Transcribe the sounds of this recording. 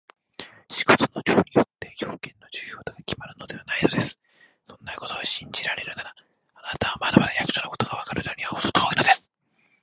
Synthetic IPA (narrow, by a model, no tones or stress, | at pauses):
ɕi̥ɡot̪onoɾʲoːɲ̟ʲijo̞t̪ːe̞çʲo̞ːkẽ̞nːo̞ʑɨːjoːt̪oɡakʲimaɾɯ̟no̞d̪e̞βanainod̪e̞sɨ̥ | sõ̞nːaiko̞t̪oɡaɕĩɲd͡ʑiɾaɾe̞ɾɯ̟naɾa | anat̪aβamaɾamaɾajakɯ̥ɕonoko̥t̪o̞ɡaβakaɾɯ̟j̪oːɲʲiβaot̪ot̪ooːino̞d̪esɨ̥